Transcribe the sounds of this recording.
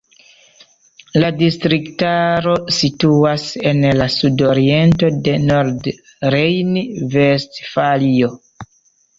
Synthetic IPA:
ladistɾiktaɾo̞situase̞nlasudoɾie̞nto̞de̞noɾd | ɾejnivestfalio

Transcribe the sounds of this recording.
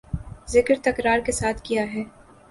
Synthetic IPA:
zɪkɾt̪ɐkɾaːɾkesaːt̪ʰkijaɦɛː

